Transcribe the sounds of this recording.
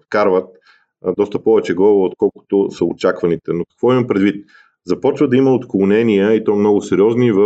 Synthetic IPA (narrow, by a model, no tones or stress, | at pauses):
t̪kaɾvət̪̚ | d̪ɔst̪əpɔvɛt͡ʃɛɡˠɔvot̪̚kɔlˠkʊ̥t̪ʊsəot͡ʃakvɐnit̪ɛnokɐ̥kvɔimɐpɾɛd̪vit̪̚ | zɐpɔt͡ʃvəd̪ɐimɐot̪klˠʊnɛnijəit̪ɔmnɔɡʊsɛɾʲiɔznivə